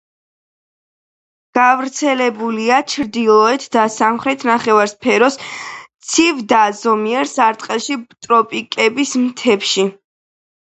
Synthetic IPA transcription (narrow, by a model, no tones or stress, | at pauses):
ɡ̥avɾt̪sʰɛlɛbuliat͡ʃʰɾd̪ilˠɔɛt̪ʰd̪asamχɾɛt̪ʰnaχɛvaɾspʰɛɾɔst̪sʰivd̪azɔmiɛɾsaɾt̪ʼqʼɛlˠʃit̪ʼɾɔpʼikʼɛbismt̪ʰɛpʃi